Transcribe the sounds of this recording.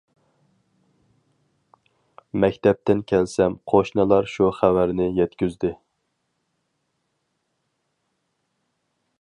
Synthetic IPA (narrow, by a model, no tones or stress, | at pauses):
mɛkʲt̪ʰɛp̚t̪ɪnkʲʰɛlsɛmqʰoʃnɨlˠɑɾʃuχævæɾnɪjɛt̪kʲyzd̪ɪ